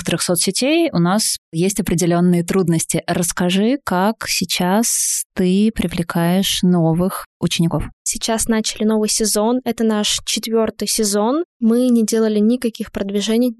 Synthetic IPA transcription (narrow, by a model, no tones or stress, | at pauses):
kə̥t̪əɾɨxsot̪sʲɪtʲejʊnasjesʲtʲɐpɾʲɪdʲɪlʲo̞nːɨjət̪ɾud̪nəsʲtʲɪɾəskɐʐɨkaksʲɪt͡ɕast̪ɨpɾʲɪvlʲɪkʰajɪʂno̞vɨxʊt͡ɕɪnʲːɪko̞fsʲɪt͡ɕasnat͡ɕɪlʲɪno̞vɨjsʲɪzo̞nɛt̪ənaʂt͡ɕɪt̪vʲo̞rt̪ɨjsʲɪzo̞nmɨnʲɪdʲe̞lˠəlʲɪnʲɪkɐkʲixpɾəd̪vʲɪʐɛnʲɪj